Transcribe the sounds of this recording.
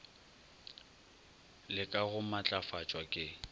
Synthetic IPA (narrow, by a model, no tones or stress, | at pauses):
lɪkʼaɣʊmat͡ɬʼafat͡ʃʼwakʼɪ